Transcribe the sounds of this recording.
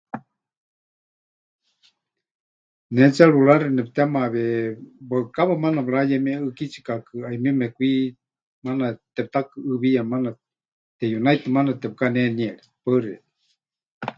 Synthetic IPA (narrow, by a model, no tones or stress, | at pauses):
nɛt͡saɺuɺaɾinɛp̚t̪ɛmaβɛbaɨkaβamanabɺajemiaɨkit͡ʃi̥kakɨaimimɛkʷi | manat̪ɛp̚t̪akɨʔɨβijamana | t̪ɛjunajt̪ɨmanat̪ɛp̚kaneniɛɺipaɨɾiɛ̰